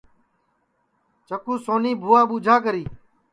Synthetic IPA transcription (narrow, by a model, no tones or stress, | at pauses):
t͡ʃəkuːsoːniːbʱuːaːɓuːd͡ʒʱaːk̬əɾiː